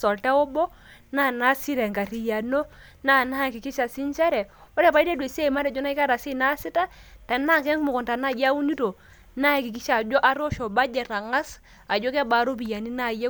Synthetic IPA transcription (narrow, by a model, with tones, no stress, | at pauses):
sɔ˨ltɛ˦o˦bɔ˦ | na˦˨na˦si˦ɾɛ˨ŋɡa˨ɾi˨ja˨no˦ | na˦˨na˦˨kɪ˨kɪ˦ʃa˨si˦nt͡ʃa˦ɾɛ˨o˦ɾe˦˨pa˦i˦te˦dwe˨se˦˨ma˦ɾɛ˨d͡ʒɔ˦na˦i˦ka˦ɾa˨si˦˨na˦sɪ˦ta˦ta˨na˦kɛ˦ŋ˦mʊ˨kɔ˨nta˨na˦˨ja˦wu˦ni˦to˨ | na˦˨kɪ˨k̬i˦ʃa˨d͡ʒɔ˦ʔa˦ɾo˦ʃo˨ba˦d͡ʒɛ˨ɾa˨ŋa˦s | a˨d͡ʒo˦kɛ˦ba˨˦ɾo˦bi˨ja˨ni˦na˦˨je˦